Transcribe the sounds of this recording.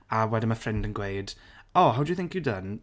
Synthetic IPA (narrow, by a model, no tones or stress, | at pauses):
awɛdɪ̃nməfrɛndə̃nɡwejd̥ɔɦawdjuθɪ̃ŋkjɨdən